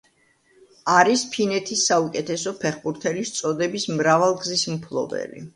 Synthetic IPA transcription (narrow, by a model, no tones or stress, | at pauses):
aɾispʰinɛt̪ʰisːaukʼɛt̪ʰɛsɔpʰɛχbuɾt̪ʰɛlist̪sʼɔd̪ɛbismɾavalˠɡzismpʰlˠɔ̰bɛ̰lḭ